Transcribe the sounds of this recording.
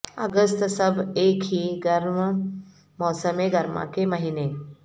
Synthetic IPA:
ə̰ɡəst̪səbeːkɦiːɡəɾm | mɔːsəmeɡɐɾma̰kemɐɦine

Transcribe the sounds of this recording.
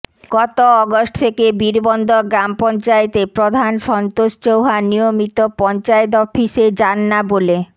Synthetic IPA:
ɡ̥ɔt̪oɔɡosʈt̪ʰekebiɾbond̪ʱoɡɾampɔnt͡ɕaet̪epɾod̪ʱanʃɔnt̪oʃt͡ɕowɦanijomit̪opɔnt͡ɕaet̪̬ɔfiʃed͡ʑanːabole

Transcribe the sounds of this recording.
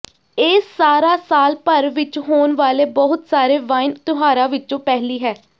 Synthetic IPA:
eːsaːɾaːsaːlpəɾʋɪt͡ʃɦoːnʋaːleːbɔɦʊt̪saːɾeːʋaːɪnt̪ʊɦaːɾaːʋɪt͡ʃõːpɛːɦliːɦɛː

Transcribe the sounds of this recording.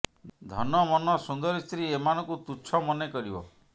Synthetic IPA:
d̪ʱɔnɔmɔnɔsund̪ɔɾist̪ʰɾiemanɔ̃ŋkut̪ut͡ʃʰɔmɔnekɔɾibɔ̰

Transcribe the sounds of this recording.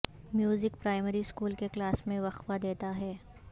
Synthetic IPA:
mjuːzɪkpɾaːɪməɾiskuːlkeklaːsmẽʋɐxʋad̪eːt̪aɦɛː

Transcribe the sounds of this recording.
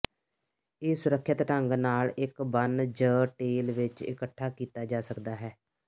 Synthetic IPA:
eːsʊɾəkʰːət̪ɾəŋɡnaːlɪkbənd͡ʒəːʈeːlʋɪt͡ʃɪ̰kəʈʰːaːkiːt̪aːd͡ʒaːsəkd̪aːɦɛː

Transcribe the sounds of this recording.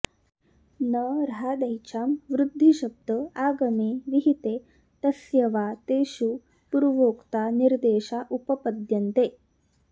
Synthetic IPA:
nɐɾɦaːd̪ɐjt͡ɕʰaːmʋɾud̪ʱːiɕɐb̚d̪əaːɡɐmeʋiɦit̪eː | t̪ɐsjɐʋaːt̪eːʃu | puɾʋoːkt̪aːniɾd̪eːɕaʔupɐpɐd̪jɐnt̪eː

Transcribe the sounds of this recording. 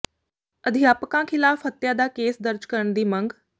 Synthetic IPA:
əd̪ʱɪjaːpkãːkʰɪlaːfɦət̪ːjaːd̪aːkeːsd̪əɾd͡ʒkəɾəɳd̪iːmə̃ŋɡ

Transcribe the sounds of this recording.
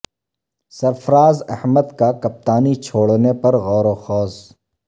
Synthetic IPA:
sɐɾfəɾaːzɐ̰hməd̪kakɐp̚t̪aːnit͡ʃʰoːɽnepɐɾɣɔːɾoxɔːs

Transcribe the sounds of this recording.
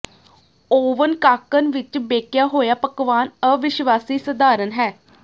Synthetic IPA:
oːʋənkaːkənʋɪt͡ʃbeːkjaːɦoːjaːpəkʋaːnəʋɪʃʋaːsiːsəd̪aːɾənɦɛː

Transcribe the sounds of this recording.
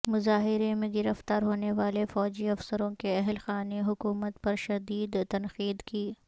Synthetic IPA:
mʊzaːɦɪɾemẽɡɪɾəft̪aːɾɦoːneʋaːlefɔːd͡ʒiɐfsəɾõkeɛɦlxaːneɦʊkuːmət̪pɐɾʃɐd̪iːd̪t̪ɐnxiːd̪kiː

